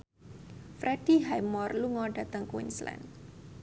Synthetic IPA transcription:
fɾʔɛd̥iɦajmɔrluŋɔɖa̤t̪əŋkwḭnsla̰n

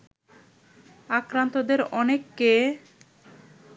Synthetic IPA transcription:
akɾant̪od̪eɾɔnekːe

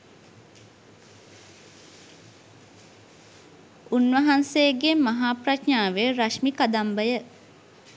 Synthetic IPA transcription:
unʋəɦansejɡemɐɦaːpratɲaːʋeɾaʃmikad̪ambəjə

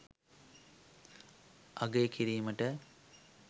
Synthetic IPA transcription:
ɐɡeːkiɾiːməʈə

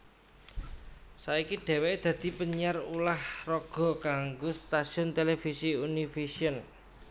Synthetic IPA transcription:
saikiɖ̥ɛ̤weed̪̥ä̤d̪̥i̤pəɲarulahrɔɡ̥ɔ̤kaŋɡost̪aʃiɔnt̪elefisiunifesiɔn

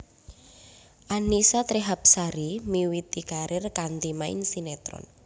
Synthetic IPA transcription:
ʔanisat̪ɾiɦap̚saɾimiwit̪ikaɾɪrkant̪imaɪ̰nsinɛt̪ɾɔ̰n

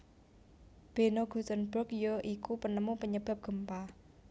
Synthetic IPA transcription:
b̥e̤noɡ̥ṳsənbɾʊk̚joʔikupənəmupəɲəb̥a̤p̚ɡ̥ə̤mpa

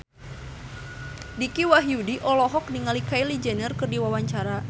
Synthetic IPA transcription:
dikiwaɦiudiʔɔlɔɦɔk̚niŋalikajlid͡ʒɛnərkɨrdiwawaɲt͡ʃaɾa

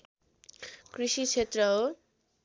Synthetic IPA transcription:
krisit͡sʰet̪rʌo

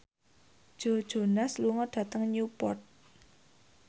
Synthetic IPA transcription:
d̥ʒ̥o̤d̥ʒ̥o̤nasluŋɔɖ̥a̤t̪əŋɲupɔrt̪̚

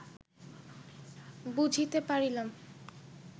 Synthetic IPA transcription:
bud͡ʑʱit̪epaɾilam

